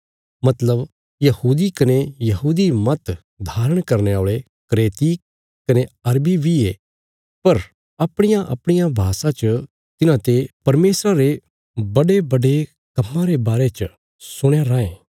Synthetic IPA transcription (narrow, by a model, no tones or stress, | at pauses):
mɐt̪ləb | jɐhuːd̪ikɐnejɐɦuːd̪imɐt̪ | d̪ʱaːɾəɽ̃kɐɾneoːɭe | kɐɾeːt̪i | kɐneɐɾbibʱieː | pɐɾ | ɐpɽ̃ɪjãʔɐ̰pɽ̃ɪjãbʱaːsãt͡ʃə | t̪ɪnãt̪epɐɾmeːsɾaɾe | bɐɖebɐɖe | kɐmːãɾebaːɾet͡ʃə | sʊɽ̃eɾaːẽː